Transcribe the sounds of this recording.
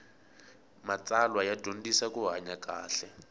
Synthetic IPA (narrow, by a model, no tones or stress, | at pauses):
mat͡salwajad̥ʱon̩disakuɦaɲakaːɬɛ